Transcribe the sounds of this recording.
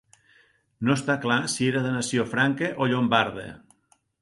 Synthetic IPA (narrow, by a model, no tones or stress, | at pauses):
nost̪aklasieɾaðenɐsiofɾaŋkeʔoʎombaɾð̞ḛ